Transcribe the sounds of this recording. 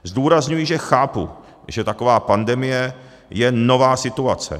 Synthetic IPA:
zduːɾazɲujɪʒɛxaːpṵ | ʒ̥ɛt̪akovaːpandɛmɪjɛ | jɛno̞vaːsɪt̪uat͡sɛ̰

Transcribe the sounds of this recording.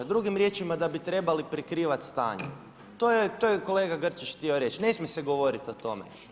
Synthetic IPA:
d̪ɾuɡimɾje̞t͡ʃimad̪abit̪ɾe̞balipɾekɾiːʋat̪st̪a̰ːɲḛ | t̪ojet̪ojeko̞le̞ːɡaɡr̩t͡ʃit͡ʃxt̪io̞ɾe̞t͡ʃne̞smʲjese̞ɡo̞ʋo̞ɾit̪ot̪o̞mḛ

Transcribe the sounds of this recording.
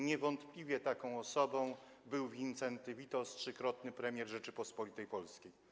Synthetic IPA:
ɲɛvɔnt̪plʲivʲjɛt̪akɔ̃w̃ɔsɔbɔ̃w̃ | bɘwvʲint̪sɛnt̪ɘvʲit̪ɔstʂɘkɾɔt̪nɘpɾɛmʲjɛɾʐɛt͡ʂɘpɔspɔlʲit̪ɛjpɔlskʲej

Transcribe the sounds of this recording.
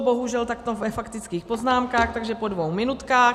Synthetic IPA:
boɦuʒɛlt̪akt̪ovɛfakt̪ɪt͡skiːxpo̞znaːmkaːxt̪aɡʒɛpo̞dvowmɪnut̪kaːx

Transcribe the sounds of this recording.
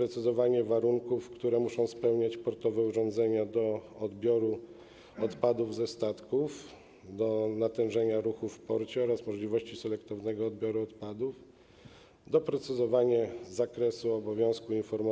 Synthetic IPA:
ɾɛt̪sɨzɔvaɲɛvaɾuŋkufkt̪uɾɛmuʂɔ̃w̃spɛwɲat͡ɕpɔɾt̪ɔvɛuʐɔ̃nd̪zɛɲad̪ɔɔd̪bʲjɔɾu | ɔt̪pad̪uvzɛst̪at̪kuf | d̪ɔnat̪ɛ̃wʐɛɲaɾuxufːpɔɾt͡ɕɛɔɾasmɔʐlʲivɔɕt͡ɕisɛlɛkt̪ɔvnɛɡɔːd̪̚bʲjɔɾuɔt̪pad̪uf | d̪ɔpɾɛt̪sɨzɔvaɲɛzakɾɛsuɔbɔvʲjɔ̃w̃skuinfɔɾm

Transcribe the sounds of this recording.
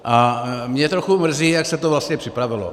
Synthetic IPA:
ʔamɲɛt̪ɾoxumr̩ziːjaksɛt̪ovlast̪ɲɛpr̝̥ɪpɾavɪlo̰

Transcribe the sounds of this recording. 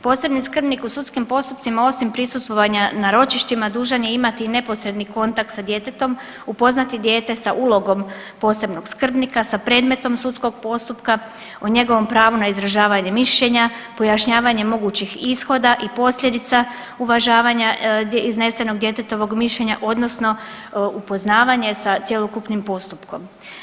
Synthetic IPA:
po̞ːse̞bniskr̩bnikusut̪skimpo̞st̪upt̪simao̞simpɾisust̪ʋo̞ʋaɲanaɾo̞t͡ʃiʃt̪imad̪uːʒanjeimat̪ine̞po̞sɾe̞d̪niko̞nt̪ak̚t̪sad̪je̞t̪e̞t̪o̞m | upo̞znat̪id̪je̞ːt̪e̞saʔuːlˠo̞ɡo̞m | po̞ːse̞bno̞ɡskr̩bnikasapɾe̞ːd̪me̞t̪o̞msut̪sko̞ɡ̚po̞st̪upka | oɲe̞ɡo̞ʋo̞mpɾaːʋunaizɾaʒaːʋaɲe̞miʃʎe̞ɲapo̞jaʃɲaːʋaɲe̞mo̞ɡuːt͡ɕixisxo̞d̪aʔipo̞slʎʲje̞d̪it̪sa | uʋaʒaːʋaɲaizne̞se̞no̞ɡd̪je̞t̪et̪o̞ʋo̞ɡmiʃʎe̞ɲa̰ʔo̞d̪no̞sno̞ | upo̞znaːʋaɲe̞sat̪sje̞lˠo̞kupnimpo̞st̪upko̞m

